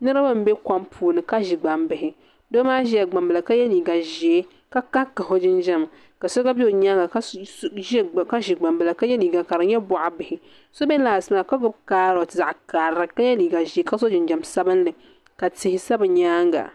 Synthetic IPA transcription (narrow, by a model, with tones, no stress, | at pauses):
nɨ˦ɾɨ˦bɨ˦m̩˦bɛ˦ka˦mpʰuː˨˦nɨ˨ka˦ʒi˨ɡ͡ba˨mbɪ˨ɦɪ˨ | do˦maː˦ʒɛ˦a˨ɡ͡ba˨mbɨ˨la˨ka˦jɛ˦liː˨ɡa˨ʒi˨e˦ | ka˦ka˦kːa˨ɦo˦d͡ʒɪ˦nd͡ʒa˦m˨ | ka˨sɔ˦ɡa˦bi˦o˨ɲa˦ŋɡa˨k | ka˦ʒi˨ɡ͡ba˨mbɨ˨la˨ka˦jɛ˦niː˨ɡa˨ka˨ɾɨ˨ɲɛ˦bʊ˨ʔa˨bɪ˨hɪ˨ | so˦bɛ˦laː˨sɨ˨˦m˦˨a˨ka˦ɡʊ˦bkaː˦ɾɔ˨tɨ˨za˨ʔka˨ɾa˨ka˦jɛ˦niː˨ɡa˨ʒi˨e˦ka˦so˦d͡ʒɪ˨nd͡ʒa˨msa˦bɨ˦n˦lɨ˨ | ka˨tɪ˨hɪ˦sa˦bɨ˨ɲaː˦ŋɡa̰˨